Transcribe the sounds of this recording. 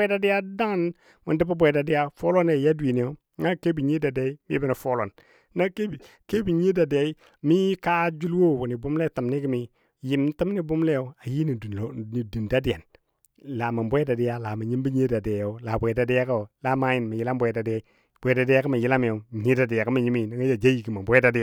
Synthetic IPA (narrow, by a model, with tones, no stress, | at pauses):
da˨di˦ja˦da˦ŋ˦n | mu˨n˦di˦ba˦bʷo˨da˨di˦ja˦fo˦lo˦ne˨ja˦dwi˨ni˨jo˦a˦ke˦bi˨ɲi˦da˨de˦i˦mḭ˦bi˦na˨fo˦lo˨n˦ | na˦ke˦bi˨ | ke˦bi˨ɲi˦da˨de˨i˦ | mi˦ka˦d͡ʒu˦lwo˦˨wu˨ni˨bu˦mle˦ta˨mni˦ki˦mi˨ | ji˨mn˦ti˦m˦ni˦bu˦mle˦jo˨a˨ji˦ni˨du˨ni˨du˨nda˦di˨ja˨n | la˨ma˨mbʷo˦e˦da˨di˦ja˦la˨ma˨ɲi˦mbi˦ɲ˦e˦da˨de˨jo˦la˨bʷe˨da˨di˦ja˦ka˦o˨la˦ma˦ji˨n˨ma˨ji˦la˦mbo˨e˨da˨di˦a˦i˦ | b̥ʷda˨di˦ja˦ka˦ma˨ji˦la˦m˨jo˨ɲi˦da˨di˨ja˨ka˦ma˨ɲi˦mi˦˨na˦ŋa˦ja˨d͡ʒa˦ji˨ki˨ma˨mbo˦da˨di˦ja˦